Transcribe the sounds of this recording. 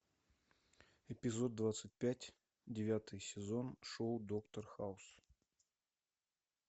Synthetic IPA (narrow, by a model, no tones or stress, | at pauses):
ɪpʲɪzo̞d̪̚ːvat̪sɨt̚ʲpʲætʲ | dʲɪvʲat̪ɨjsʲɪzo̞nʂoʊd̪okt̪ərxaʊs